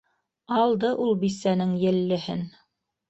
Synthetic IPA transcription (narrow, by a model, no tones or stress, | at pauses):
ɑlˠd̪ɤʔulˠbisænɘŋjɘ̆lːɘ̆hɘ̰n